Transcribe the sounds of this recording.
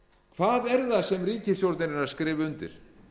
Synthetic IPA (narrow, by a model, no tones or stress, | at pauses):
kʰv̥aːðɛɾðasɛmriːcɪsjowɾt̪nɪnɪnaɾskɾɪːvɪʏnt̪ɪ̰ɾ̥